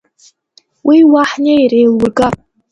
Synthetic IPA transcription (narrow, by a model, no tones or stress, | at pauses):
wiwaħnejrejlwurɡa